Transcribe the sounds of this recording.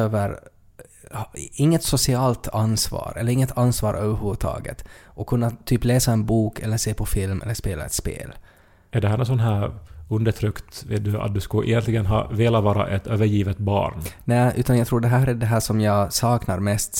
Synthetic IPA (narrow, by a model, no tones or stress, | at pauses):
øːvəɾ | hɪŋːət̪sʊsɪɑːlt̪ansvɑ̰ːɾʔɛlːəɾɪŋːət̪ʰansvɑːɾʔøːvəɾhʉːvət̪ʰɑ̰ːɡə̰t̪ʔɔkʰːɵnːat̪ʰyːpleːsaɛnbuːkʰɛ̰lːəʂeːpʰɔfɪlmɛ̰lːəʂpeːla̰ɛ̰t̪spḛːl | æɖɛɦæːɾnɔns̬ɔnɦæːɾɵnd̪əʈʰɾʏkt̪vḛːt̪̚d̪ɵa̰t̪̚d̪ɵskɵʔɛ̰jɛnt̪lɪɡənɦɑ̰ːveːlavɑːɾa̰ʔɛt̪øːvəɾjiːvət̪̚bɑ̰ːɳnɛʔʉ̟ːt̪anjɑaɡt̪ʰɾuːɖɛɦæːɾæɖɛɦæːʂɔmjɑːɡsɑːknaɾmɛst̪